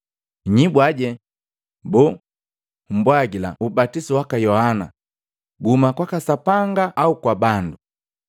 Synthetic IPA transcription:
ɲibwaɟɛ | bɔ | m̩bwaɡila̰ʔubatisiwakajɔhana̰ | ɡumakwakasapaŋɡaʔːukwabandu

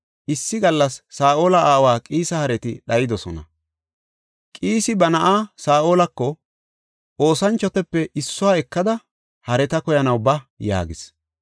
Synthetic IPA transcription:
ʔɪsːɪɡɐlːɐsːaːʔoːlɐaːwaːkʼiːsɐhɐɾɛt̪ɪɗɐjɪd̪ɔsɔnɐ̰ | kʼiːsɪbɐnɐʔaːsaːʔo̞ːlɐkːɔ | ʔo̞ːsɐnt͡ʃːɔt̪ɛpːɛʔɪsːʊwaːɛkːɐd̪ɐ | hɐɾɛt̪ɐkɔjɐnɐwbɐja̰ːɡɪs

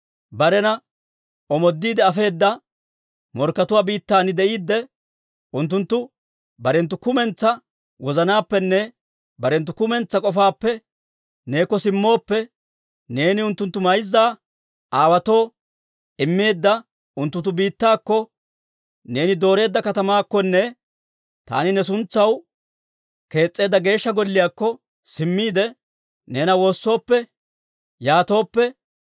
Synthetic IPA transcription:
bɐɾɛnɐ | ɔmɔd̪ːiːd̪ɛɐfe̞ːd̪ːɐ | mɔɾkːɐt̪ʊwaːbiːt̪ːaːnɪd̪ɛʔiːd̪ːɛ | ʊnt̪ːʊnt̪ːʊ | bɐɾɛnt̪ːʊkʊmɛnt͡sːɐ | wɔzɐnaːpːɛnːɛ | bɐɾɛnt̪ːʊkʊmɛnt͡sːɐkʼɔfaːpːɛ | ne̞ːkːɔsɪmːo̞ːpːɛ | ne̞ːnɪʊnt̪ːʊnt̪ːʊmɐjzːaː | ʔaːwɐt̪o̞ː | ʔɪmːe̞ːd̪ːɐ | ʊnt̪ːʊnt̪̬ːʊbiːt̪ːaːkːɔ | ne̞ːnɪd̪o̞ːɾe̞ːd̪ːɐkɐt̪ɐmaːkːɔnːɛ | t̪a̰ːnɪnɛs̬ʊnt͡sːɐw | ke̞ːt͡sʼːe̞ːd̪ːɐɡe̞ːʃːɐɡɔlːɪjaːkːɔ | sɪmːiːd̪ɛ | ne̞ːnɐwo̞ːsːo̞ːpːɛ | jaːt̪o̞ːpːɛ

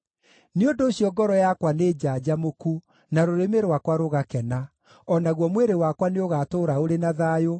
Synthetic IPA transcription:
neondoːɕijɔɡɔɾɔjakwaneːd͡ʑad͡ʑamoku | naɾoɾemeɾwakwaɾoɣakɛna | ɔnaɣwɔmweɾewakwaneoɣatoːɾaoɾenaðaːjo

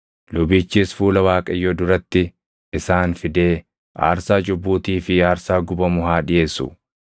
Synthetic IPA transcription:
lʊbiːt͡ʃːiːsfuːlɐwaːkʼɐjːɔd̪ʊɾɐt̪ːɪ | ɪsaːnfɪd̪e̞ː | ʔa̰ːɾsaːd͡ʒʊbːuːt̪iːfɪaːɾsaːɡʊbɐmʊɦaːᶑɪje̞ːsʊ̰

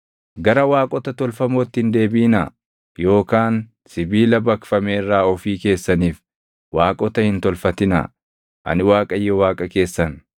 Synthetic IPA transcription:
ɡɐɾɐwaːkʼɔt̪ɐt̪ɔlfɐmoːt̪ːɪhɪnd̪e̞ːbiːnɐ | jo̞ːkaːn | sɪbiːlɐbɐkfɐmeːrːaːɔfiːke̞ːsːɐniːf | waːkʼɔt̪ɐhɪnt̪ɔlfɐt̪ɪnɐ̰ | ʔɐ̰nɪwaːkʼɐjːɛwaːkʼɐke̞ːsːɐn

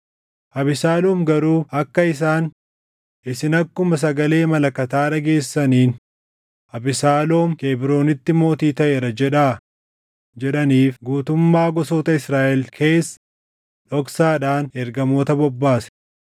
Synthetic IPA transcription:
ʔɐbɪsaːloːmɡɐɾuːɐkːɐɪs̬aːn | ɪsɪnɐkːʊmɐs̬ɐɡɐle̞ːmɐlɐkːɐt̪aːᶑɐɡe̞ːsːɐniːn | ʔɐbɪsaːlo̞ːmkeːbɪɾo̞ːnɪt̪ːɪmo̞ːt̪iːt̪ɐʔeːɾɐd͡ʒɛᶑaː | d͡ʒɛᶑɐniːfɡuːt̪ʊmːaːɡɔsoːt̪ɐɪsɾaːʔɛlkʰe̞ːsːɐ̥ | ᶑɔksaːᶑaːnɛɾɡɐmo̞ːt̪ɐbɔbːaːsɛ̥

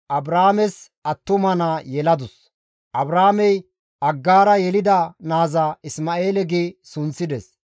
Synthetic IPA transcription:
ʔɐbɾaːmɛs | ɐt̪ːʊmɐnajɛlɐd̪ʊs | ʔɐbɾaːmɛj | ɐɡːaːɾɐjɛlɪd̪ɐnaːzaɪsmaːʔeːlɛɡiːsʊnsɪd̪ɛs

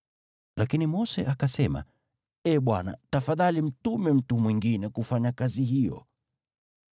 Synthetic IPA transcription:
lakinimɔsɛʔakasɛma̰ | ɛɓwana̰tafaðalim̩tumɛm̩tumwiŋɡinɛkufaɲakaziɦijɔ̰

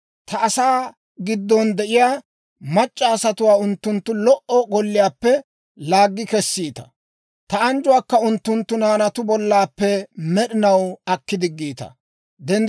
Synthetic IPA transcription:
t̪ɐʔːsaː | ɡɪd̪ːɔnd̪ɛʔɪjaː | mɐt͡ʃʼːaːsɐt̪ʊwaːʊnt̪ːʊnt̪ːʊlɔʔɔɡɔlːɪjaːpːɛ | laːɡːɪkɛsːiːt̪ɐ̥̰ | t̪ɐɐnd͡ʒʊwaːkːɐʊnt̪ːʊnt̪ːʊnaːnɐt̪ʊbɔlːaːpːɛmɛɗɪnɐwɐkːɪd̪ɪɡːiːt̪ɐ̰ | d̪ɛn

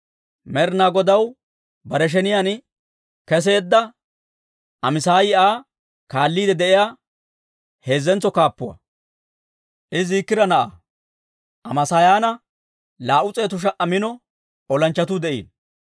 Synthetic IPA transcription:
mɛɾnaːɡɔd̪ɐw | bɐɾɛʃ̬ɛnɪjan | kɛs̬e̞ːd̪ːɐ | ɐmɪsaːjɪʔaː | kaːlːiːd̪ɛd̪ɛʔɪjaː | he̞ːzːɛnt͡sːɔkaːpːʊwɐ̰ | ʔɪziːkːɪɾɐnɐʔa | ʔɐmɐsajaːnɐ | laːʔʊt͡sʼe̞ːt̪ʊʃ̬ɐʔɐmɪnɔ | ɔlɐnt͡ʃːɐt̪̬ud̪ɛʔḭːn

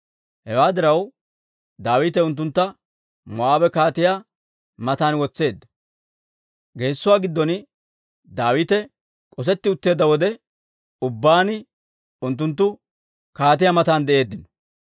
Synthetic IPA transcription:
hɛwaːd̪ɪɾɐw | d̪aːwɪːt̪̬ɛʊnt̪̬ːʊnt̪ːɐ | mɔaːwɛkaːt̪ɪja | mɐt̪aːnwɔt͡sːe̞ːd̪ːɐ̥ | ɡeːsːʊwaːɡɪd̪ːɔn | d̪aːwɪːt̪ɛ | kʼɔs̬ɛt̪ːɪʊt̪ːe̞ːd̪ːɐwɔd̪ɛ | ʊbːaːnɪ | ʊnt̪ːʊnt̪̬ːʊ | kaːt̪ɪjamɐt̪aːnd̪ɛʔe̞ːd̪ːɪnɔ̥

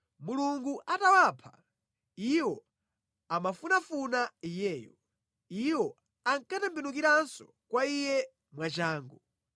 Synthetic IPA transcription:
muluŋɡuʔatawaːpʰa | iwɔ | amafunafunaijɛːjɔ | iwɔ | aŋkatɛmbinukiɾansɔ | kwaijɛ | mwat͡ʃaːŋɡɔ

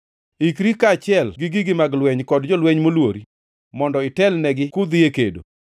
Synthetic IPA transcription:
ikɾikat͡ʃɪɛlɡɪɡɪɡɪmaɡlwɛɲkɔdd͡ʒɔlwɛɲmolwoɾi | mɔndɔɪtɛlnɛɡɪkʊd̪ɪekḛdo̰

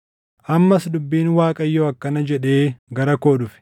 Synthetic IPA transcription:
ʔɐmːɐsd̪ʊbːiːnwaːkʼɐjːoːɐkːɐnɐd͡ʒɛᶑe̞ːɡɐɾɐkoːᶑʊfɪ̥

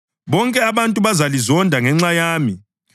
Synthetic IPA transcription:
βɔŋkʼɛaβantʼuβazalizɔndʱaŋɛŋ͡ǁajaːmi

